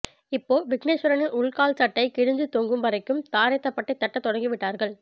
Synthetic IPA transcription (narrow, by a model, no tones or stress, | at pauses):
ɪpːoːʋɪkneːsʊɾɐnɯnʔʊɭkaːlsɐʈːɐɪkɪɻɪɲd͡ʒɯt̪oːŋɡɯmʋɐɾɐɪkːɯmt̪aːɾɐt̪ːɐpːɐʈːɐɪt̪ːɐʈːɐt̪ːɔɽɐŋɡiʋɪʈːaːɾɣɐɭ